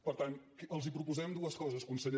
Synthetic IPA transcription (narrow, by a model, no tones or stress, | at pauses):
pəɾt̪ankəlˠzipɾupuzɛmd̪uəskɔzəskunsəʎ